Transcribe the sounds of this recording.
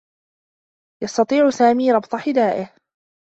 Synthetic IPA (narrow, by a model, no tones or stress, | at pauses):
jɑst̪ɑt̪ˤiːʕʊsaːmiːɾˤɑbt̪ˤɑħɪd̪aːʔɪh